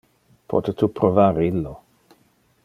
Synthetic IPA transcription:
pʰɔ̰t̪et̪ʰupɾovaːɾilːo

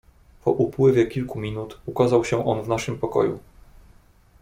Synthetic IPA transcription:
pɔʔupwɘvʲjɛkʲilkumʲinut̪ukazawɕɛ̃ʔɔnvnaʂɘmpɔkɔ̰jṵ

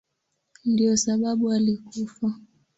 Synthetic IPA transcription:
ndiɔsaɓaɓualikufa

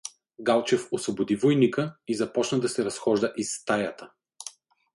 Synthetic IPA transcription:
ɡalˠt͡ʃɛfosvobod̪ivojnikəizɐpɔt͡ʃnəd̪ɐsɛɾɐsxɔʒd̪əʔist̪ajɐt̪ə

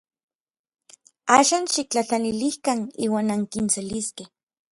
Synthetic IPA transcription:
aːʃaːnʃik̚t͡ɬat͡ɬanilihkanḭːwaːnaŋkinseliskeh

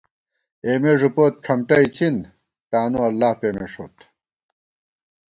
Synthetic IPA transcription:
eːmeːʐupoːt̪̚kʰɐmʈɐit͡ɕʰin | t̪aːnuɐlːaːhpeːmḛːʂo̰ːt̪

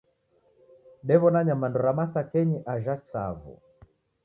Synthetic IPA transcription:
ɗɛβɔnaɲamandɔɾamasakɛɲiʔaʒat͡ʃsa̰vṵ

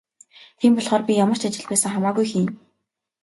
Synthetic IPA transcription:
t̪ʰiːmpɔɮχɔːrpʲijamə̆r̥t͡ɕat͡ɕɪ̆ɮpæːsə̆ŋχamaːɣujxiːn

